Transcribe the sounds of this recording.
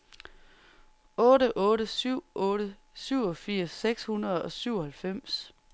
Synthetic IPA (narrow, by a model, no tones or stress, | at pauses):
ɔ̽ːɾəʔɔ̽ːɾəsyʊ̰ʔɔ̽ːɾə | syʊ̰ɒ̽fiɐ̰sːeɡ̥shunɐð̩ˠɒ̽syʊ̰ɒhælfem̰s